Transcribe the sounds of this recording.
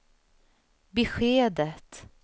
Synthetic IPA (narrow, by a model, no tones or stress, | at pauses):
bɛɧeːd̪ət̪